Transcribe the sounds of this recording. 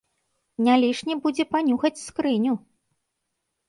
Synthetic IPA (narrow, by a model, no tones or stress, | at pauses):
nʲalʲiʂnʲibud͡zʲɛpanʲuxɐt͡sʲskɾɨnʲu